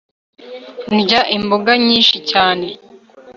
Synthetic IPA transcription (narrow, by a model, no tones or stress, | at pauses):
nɟaʔimboɡaɲiːnʃicaːne̞